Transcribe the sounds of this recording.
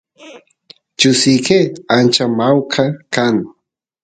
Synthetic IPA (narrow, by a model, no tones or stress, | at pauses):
t͡ʃʊsikeant͡ʃamawkʰakaŋ